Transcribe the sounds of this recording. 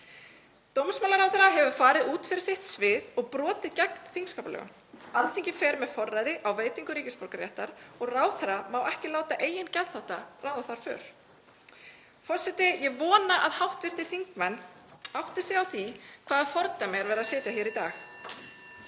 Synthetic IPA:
t̪owmsmaːlaɾawθɛɾaɦɛvʏ̥faːɾɪðuːt̪fɪɾɪ̥sɪht̪svɪðɔɣpɾɔːt̪ɪðcɛknθiŋkskawpalœ̰ɣʏ̰n | alθiŋcɪfɛːɾmɛðfɔrːaːjðɪʔawveːjt̪iŋkʏɾiːcɪspɔɾkaɾjɛ̰ht̪aɾɔɣraːwθɛɾamawʔɛhcɪlaːwt̪aʔeːjɪncɛðθawht̪arawðaθaɾ̥fʏ̰ːɾ̥ | fɔr̥sɛt̪ɪjɛvɔːnaʔaðhawht̪vɪr̥t̪ɪθiŋkmɛnːawht̪ɪsɛawθikʰv̥aːðafɔɾt̪amjɛɣɾvɛːɾasɛːt̪jaçjɛːɾit̪a̰ːx

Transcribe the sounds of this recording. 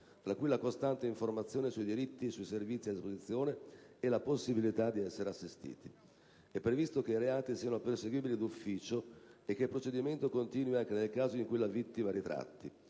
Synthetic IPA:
t̪ɾakːujlakost̪ant̪eiɱformat̪sːjoːnesuid̪iɾit̪ːisuiservit̪sːiad̪ispozit̪sːjoːneɛlaposːibilit̪ad̪iɛsːeɾeasːist̪ḭːt̪i̥ | ɛpːɾevist̪okeiɾeaːt̪isiːanoperseɡwiːbilid̪ufːiːt͡ʃoek̟ːelpɾot͡ʃed̪iment̪okont̪iːnwiaŋk̟enelkaːzoiŋkelːavit̪ːimaɾit̪ɾa̰t̪ːi

